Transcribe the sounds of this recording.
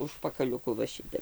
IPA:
ʊʃpɐkɐlʲʊˈkʊ ʋɐ ˈʃʲɪtʲɛp

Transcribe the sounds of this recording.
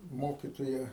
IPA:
ˈmoːkʲɪtoːjɛ

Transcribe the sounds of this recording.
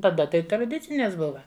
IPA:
tɐˈdɐ ˈtɐɪ trɐˈdʲɪt͡sʲɪnʲɛs ˈbʊʋɐ

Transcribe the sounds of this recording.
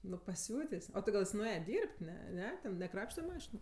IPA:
nʊ pɐˈsʲʊtʲeːsʲ ˈoː tʲɪ ˈɡɐlˠ ˈjɪs nʊˈeːjɛ ˈdʲiːrʲpʲtʲ ˈnʲɛ ˈnʲɛ tʲɛn nʲɛˈkrɑːpʲʃʲtʲɛ ˈmɑːʃʲɪnʊ

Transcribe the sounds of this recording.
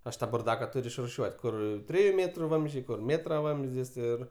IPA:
ˈɐʃ ˈtɑː bʊrˈdɑːkɐ ˈtʊrʲʊ ɪʃrʊˈʃʲuɔtʲ ˈkʊr ˈtʲrʲɪjʊ ˈmʲeːtrʊ ˈʋɐmʲzʲd͡ʒʲɛɪ ˈkʊr ˈmʲeːtrɐ ˈʋɐmʲzʲdʲɪs ˈɪr

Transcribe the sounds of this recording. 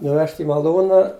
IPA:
nʊˈʋʲɛʃʲtʲ ɪ mɐˈlˠuːnɐ

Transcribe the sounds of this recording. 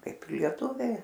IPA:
ˈkɐɪp ɪr lʲiɛˈtuːʋʲɛɪ

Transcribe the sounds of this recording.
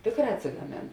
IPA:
ˈtʲeːkˌrɑː ɐtʲsʲɪɡɐˈmʲeːn

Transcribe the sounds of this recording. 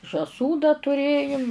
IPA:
ʒɑːˈsuː dɐr tʊˈrʲeːjʊm

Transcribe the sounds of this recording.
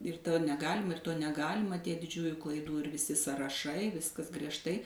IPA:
ɪr ˈtoː nʲɛˈɡɑːlʲɪmɐ ɪr ˈtoː nʲɛˈɡɑːlʲɪmɐ ˈtʲiɛ dʲɪˈd͡ʒʲuːjʊ klˠɐɪˈduː ɪr ʋʲɪˈsʲɪ sɐrɐˈʃɐɪ ˈʋʲɪskɐs ɡrʲiɛʃˈtɐɪ

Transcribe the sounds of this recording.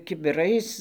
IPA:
kʲɪbʲɪˈrɐɪs

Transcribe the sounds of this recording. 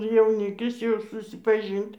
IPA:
jɛʊˈnʲɪkʲɪs jɛʊ sʊsʲɪpɐˈʒʲiːnʲtʲ

